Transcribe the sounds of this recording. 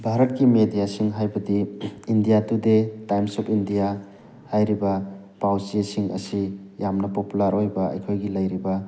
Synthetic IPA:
bʱaɾɐt̚kimedijasiŋɦajbɐdiːndijatudetajmsɔpʰindija | hajɾibɐ | pawsiesiŋɐ̰sijamnɐpopulaɾojbɐɐ̰jkʰojɡilɐjɾibɐ

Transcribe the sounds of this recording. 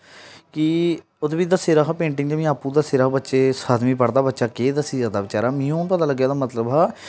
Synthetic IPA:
kɪ | ʊd̪biːd̪aːseːɾaːɦaːpẽːɳʈɪŋɡd͡ʒeʋĩːaːpuːd̪aːseːɾaːbətːʃeːsaːd̪mĩːpəɽd̪aːbətːʃaːkeːd̪asiːzaːd̪aːbɪt͡ʃaːɾaːmĩːõːpət̪aːləɡːjaːd̪aːmət̪ləbɦaː

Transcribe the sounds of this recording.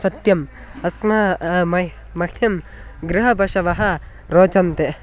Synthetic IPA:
sɐt̪jɐm | ɐsmɐmɐ | mɐkʰjɐm | ɡɾɪɦɐbɐʃɐʋɐɦɐ | ɾoːt͡ʃɐnt̪e

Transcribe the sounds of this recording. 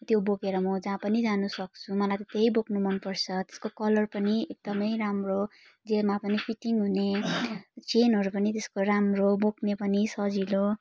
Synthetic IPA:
t̪joboɡeɾʌmʌd͡zãpʌnid͡zanusʌk̚t͡sʰumʌlajt̪ʌt̪eɦjboknumʌnpʌrt͡sʰʌt̪e̥skokʌlʌrpʌniek̚d̪ʌmʌjramro | d͡zemapʌnipʰiʈiŋɦune | t͡senɦʌɾupʌnit̪eskoramroboknepʌnisʌd͡zilo

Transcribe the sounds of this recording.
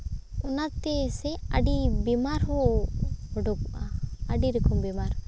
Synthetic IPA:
ɔnat̪ɛsɛəɖibimaɾɦɔ | ɔɖɔkɔʔaəɖiɾikɔmbimaɾ

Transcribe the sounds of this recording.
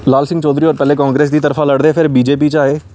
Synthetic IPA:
laːlsɪ̃ŋɡt͡ʃɔːd̪ɾiːɔːɾpɛːleːkãːŋɡɾeːs̬d̪iːt̪əɾfʰaːləɽd̪epʰɪɾbiːd͡ʒeːp̬iːt͡ʃaːeː

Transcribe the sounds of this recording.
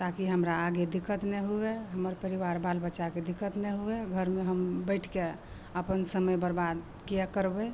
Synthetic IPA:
t̪akiɦəmɾaːɡed̪ikːət̪nɛɦueɦəməɾpəɾiʋaɾbalbəːʃaked̪ikːət̪nɛɦueɡʱəɾmeɦəmbəɪʈʰke | əpənsəməjbəɾbad̪ | kiəkəɾbɛ

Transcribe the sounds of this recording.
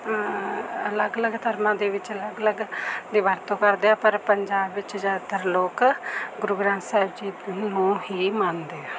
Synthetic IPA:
ələɡələɡt̪ʰəɾmãːd̪eːʋɪt͡ʃələɡələɡd̪iːʋaːɾt̪õːkəɾd̪eːaːpəɾpəɲd͡ʒaːbʋɪt͡ʃzjaːd̪t̪əɾloːkɡʊɾuɡɾãːnt̪saːbd͡ʒiːnũːɦiːmand̪eːaː

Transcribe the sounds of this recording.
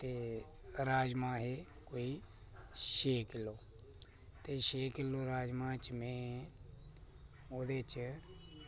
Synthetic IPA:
t̪eː | ɾaːd͡ʒmãːɦe | koːiː | ʃeːkɪloː | t̪eːʃeːkɪloːɾaːd͡ʒmãːt͡ʃmẽː | oːd̪eːt͡ʃ

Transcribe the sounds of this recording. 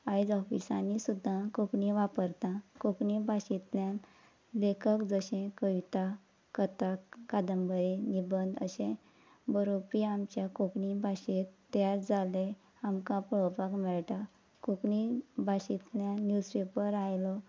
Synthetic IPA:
ajd͡zɔfḭsãnisud̪ʱːãkokɳĩʋapəɾt̪ãkokɳibʱaɕit̪ljãn | lekəkd͡zəɕẽkəʋit̪a | kət̪akːad̪əmbəɾenibənd̪ə̰ɕẽ | bəɾopiamt͡ɕjakokɳibʱaɕet̪t̪ːjad͡zale | amkãpəɭɔpakmɛɭt̪a | kokɳibʱaɕit̪ljãnjuspepəɾajlɔ

